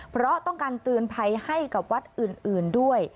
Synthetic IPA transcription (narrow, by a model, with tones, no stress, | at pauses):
pʰɾɔ˦˥t̪ɔ˥˩ŋkaː˧nt̪ɯː˧npʰa˧jha˥˩jka˨˩p̚wa˦˥t̪̚ʔɯː˨˩nʔɯː˨˩ndu˥˩əj